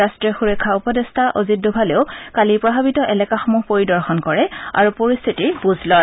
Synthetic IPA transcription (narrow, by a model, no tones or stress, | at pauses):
astɹiɔxuɹɛkʰaupɔdestʰaʔozit̚dubʱaleʊkalipɹɔbʱabitɔʔɛlɛkaxɔmuɦpoɹidɔɹxɔnkɔɹɛa̰ɹupoɹist̪ʰitiɹbuzʱlɔ